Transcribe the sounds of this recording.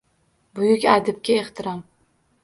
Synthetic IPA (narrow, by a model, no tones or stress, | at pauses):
bʊjʊkʲad̪ɪp̚kʲaeχt̪ʰɪɾɒm